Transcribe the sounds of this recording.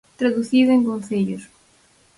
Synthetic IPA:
t̪ɾaðuθiðʊeŋkõnθeʎʊs

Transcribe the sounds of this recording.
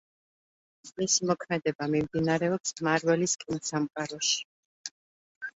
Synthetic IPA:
misimɔkʰmɛd̪ɛbamimd̪inaɾɛɔpsmaɾwɛliskʼinasamqʼaɾɔʃi̥

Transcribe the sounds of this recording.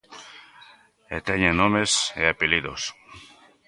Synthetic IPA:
et̪eɲenomesḛapiliðos

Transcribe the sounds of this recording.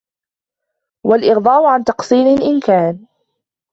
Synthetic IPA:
walʔɪɣd̪ˤɑːʔʊʕant̪ɑqsˤiːnɪlʔɪnkaːn

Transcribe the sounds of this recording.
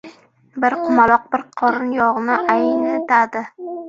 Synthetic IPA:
bɪɾqʰʊmalˠɒq̚bɪɾqʰɒɾɪnjɒʁnɪʔajɪnet̪ad̪ɪ

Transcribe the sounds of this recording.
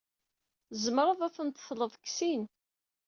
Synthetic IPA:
zəmɾˤɑðæθənt̪θləðˤəkːsin

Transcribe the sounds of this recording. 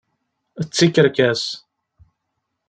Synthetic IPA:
ət͡sːikːəɾkæs

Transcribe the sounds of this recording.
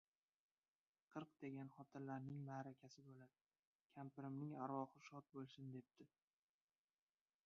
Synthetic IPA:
qʰɨɾqd̪̥e̞ɡʲanχɒt̪ʰɪɾlaɾnɪŋmaːɾakʲʰasɪbolad̪ | kʲʰampɪɾɪmnɪŋaɾwɒχɨʃɒt̪̚bolˠsɪnd̪e̞p̚t̪ɪ

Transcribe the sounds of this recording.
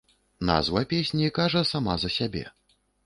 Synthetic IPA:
na̰zvɐpʲesʲnʲikaʐɐsamazɐsʲabʲɛ̰

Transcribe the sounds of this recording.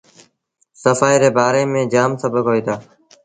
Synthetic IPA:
səfaːiːɾeːbaːɾeːmẽːd͡ʒaːmsəbʱəkɦoːiːt̪ʰaː

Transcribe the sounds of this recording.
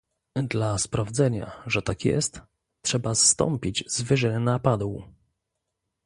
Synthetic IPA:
d̪laspɾavd̪zɛɲa̰ʐɛt̪akjɛ̰st̪ | ʂɛbast̪ɔ̰mpʲid͡ʑzvɘʐɛnapad̪wu

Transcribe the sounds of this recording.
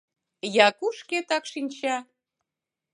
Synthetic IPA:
jɑkuʃket̪ɑkʃinʲt͡ɕɑ

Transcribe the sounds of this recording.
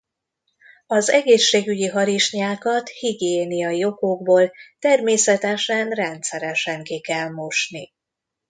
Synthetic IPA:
ɒzɛɡeːʃːeːɡyɟiɦɒɾiʃɲaːkɒt̪hiɡeːnijɒjio̞koɡ̚boːlt̪ɛrmeːsɛt̪ɛʃɛnrɛnt̪sɛɾɛʃɛŋkikɛlmo̞ʃni

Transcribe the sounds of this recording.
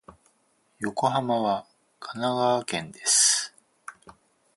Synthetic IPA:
jo̞ko̞ɦamaβa | kʰanaɡaβːkẽ̞nd̪e̞sɨ̥

